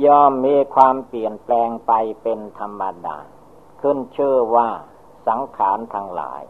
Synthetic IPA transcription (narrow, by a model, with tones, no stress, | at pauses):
jɔː˥˩mːiː˧kʰwaː˧mpli˨˩ənplɛː˧ŋpa˧jpe˧nt̪ʰa˧mːa˧da̰ː˧ | kʰɯ˥˩nt͡ɕʰɯː˥˩waː˥˩ | sa˩˦ŋkʰaː˩˦nt̪ʰa˧ŋla̰ː˩˦j